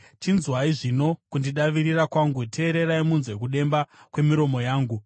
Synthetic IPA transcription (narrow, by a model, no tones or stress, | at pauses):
tinzwaiʐino̞kundiɗaʋiɾirakwaŋɡutʰe̞ːɾe̞ɾaimunzwe̞k̬uɗe̞mbakwe̞miɾo̞mo̞jaːŋɡu